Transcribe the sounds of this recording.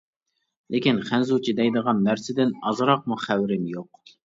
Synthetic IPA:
lɪkʲinχænzut͡ʃʰid̪ɛjd̪əʁɑnːæɾsɪd̪ɪnɑzɾɑq̚muχæwɪɾɪmjoq̚

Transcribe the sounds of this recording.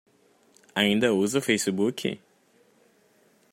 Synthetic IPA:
aĩnd̪ɐuzɐfejsibukʲʰḭ

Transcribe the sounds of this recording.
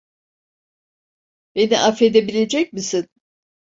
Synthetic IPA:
b̥e̞niʔafe̞d̪e̞bilʲe̞d͡ʒɛc̚misin

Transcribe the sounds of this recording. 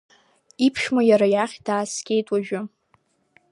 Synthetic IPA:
ipʰʃmajaɾajaχʲd̥aːsɡʲe̞jtʼwaʒᶣʊ

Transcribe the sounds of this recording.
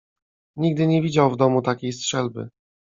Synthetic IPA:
ɲiɡd̪ɘɲɛvʲid͡ʑawvd̪ɔmut̪akʲejstʂɛlbɘ̰

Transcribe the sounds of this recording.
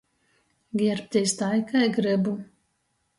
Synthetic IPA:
ɡʲiɾp̚ʲt̪ʲɛjst̪ajkajɡɾɨbu

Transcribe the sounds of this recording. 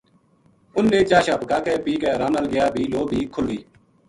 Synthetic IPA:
ʊnːẽːd͡ʒaːʃaːpkaːkɛːpiːkɛːɾaːnəlɡɪjaːbʱiːloːbʱiːkʰʊlʋiː

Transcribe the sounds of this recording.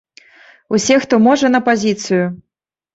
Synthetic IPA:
usʲɛxt̪ɔmɔʐɐnɐpazʲit̪sɨju

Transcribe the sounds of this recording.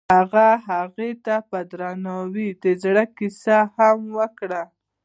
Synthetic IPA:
haɣaɦaɣet̪apəd̪ɾɑnɑwid̪əzɽəkisahamwəkɽa

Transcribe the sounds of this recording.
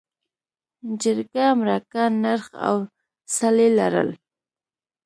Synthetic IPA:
d͡ʒɪɾkamɾakanaɾχa̰w | salela̰ɾə̰l

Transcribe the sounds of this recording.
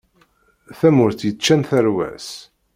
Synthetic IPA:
θæmʊɾθjət͡ʃːænθæɾwæ̰s

